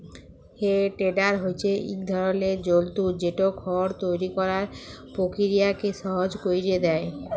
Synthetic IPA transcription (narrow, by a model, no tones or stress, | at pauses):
heʈeɖaɾɦojt͡ɕʰeḭkd̪ʱɔɾoled͡ʑolt̪ud͡ʑeʈokʰɔɾt̪ojɾikɔɾaɾpokiɾijakeʃɔɦod͡ʑkojɾied̪ɛe